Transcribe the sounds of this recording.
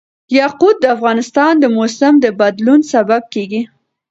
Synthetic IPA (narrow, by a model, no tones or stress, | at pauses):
jɑqud̪̚ːəafɣɑnɪst̪ɑnd̪əmosɪmd̪əbad̪lunsabab̚keɡi